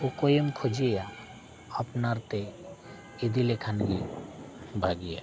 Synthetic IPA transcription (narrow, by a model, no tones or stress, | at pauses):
okojemkʰod͡ʒeja | apnaɾt̪e | id̪ilekʰanɡi | bʱaɡija̰